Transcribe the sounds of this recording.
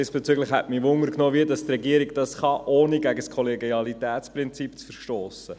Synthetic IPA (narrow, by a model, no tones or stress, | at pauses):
ɪsb̥et͡syɡləχhɛ̰tmiʋʊŋəɾknoːʋiədɑstrɛɡiəɾiɡ̚d̥ɑsχɑʔoːniɡæɡəskʰɔleɡiɑlitæːtt͡sprɪnt͡sipt͡sfəɾʃtoːsə